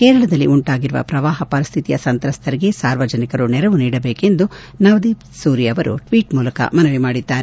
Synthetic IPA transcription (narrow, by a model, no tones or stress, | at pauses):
keːɾɐɭɐd̪ɐlːiuɳʈaːɡiɾuʋɐ̰pɾɐʋaːɦɐpɐɾist̪ʰit̪ijɐ̰sɐnt̪ɾɐst̪ʰɐɾiɡe̞saːɾʋɐd͡ʒɐnikɐɾunɛɾɐʋuniːɽɐbeːke̞nd̪u | nɐʋd̪iːp | suːɾijɐʋɐɾṵʈʋiːʈmuːlɐkɐ̰mɐnɐʋimaːɽid̪ːaːɾe